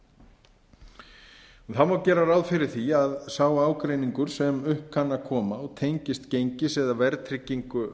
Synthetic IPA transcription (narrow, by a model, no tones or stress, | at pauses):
uθaðmaːwcɛːɾaɾawðfɪɾɪɾ̥θiaðsaːwaaːwkɾejniŋkʏɾ̥sɛmʏhpkʰanːakʰɔːmaɔɣt̪ʰejɲcɪst̪cejɲcɪsɛðavɛɾt̪ʰɾɪcːiŋkʏ